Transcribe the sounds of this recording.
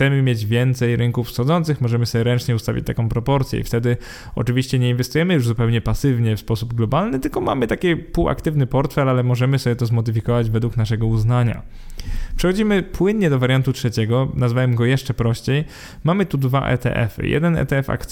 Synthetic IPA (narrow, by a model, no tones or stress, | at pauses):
t̪ɛmɘmʲjed͡ʑvʲjɛnt̪sɛjɾɘŋkufsxɔd̪zɔnt̪sɘxmɔʐɛmɘsɔbʲjɛɾɛnt͡ʂɲɛust̪avʲḭt͡ɕ̚t̪akɔ̃w̃pɾɔpɔɾt̪sʲjɛ̰ḭft̪ɛd̪ɘ | ɔ̰t͡ʂɘvʲiɕt͡ɕɛɲɛinvɛst̪ujɛmɘjuʐzupɛwɲɛpasɘvɲɛfspɔsubɡlɔbalnɘt̪ɘlkɔma̰mɘt̪akʲɛpuwa̰kt̪ɘvnɘpɔɾt̪fɛlalɛmɔʐɛmɘsɔbʲɛt̪ɔzmɔd̪ɘfʲikɔvad͡ʑvɛd̪wuknaʂɛɡɔuznaɲa̰ | pʂɛxɔd͡ʑimɘpwɘnɲɛd̪ɔvaɾjant̪utʂɛt͡ɕɛɡɔnazvawɛmɡɔjɛʂt͡ʂɛpɾɔɕt͡ɕej | mamɘt̪ud̪va̰ʔɛ̰t̪ɛ̰ʔɛ̰fɘ̰jɛ̰d̪ɛnɛ̰t̪ɛɛfa̰kt̪